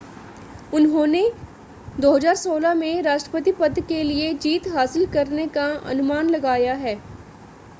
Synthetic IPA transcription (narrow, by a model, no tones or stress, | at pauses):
ʊnɦõːne | d̪oːɦɐzaːɾsoːlamẽɾaːʃʈɾəpət̪̬ipəd̪kelied͡ʒiːt̪ɦaːsɪlkɐɾnekaɐ̰nʊmaːnlɐɡaːjaɦɛː